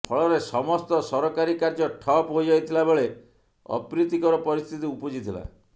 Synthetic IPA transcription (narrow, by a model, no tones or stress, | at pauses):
pʰɔɭɔɾesɔmɔst̪ɔsɔɾɔkaɾikaɾd͡ʒɔʈʰɔpɦojd͡ʒajt̪ʰilabeɭe | ɔ̰pɾit̪ikɔɾɔpɔɾist̪ʰit̪iupɔd͡ʒit̪ʰila̰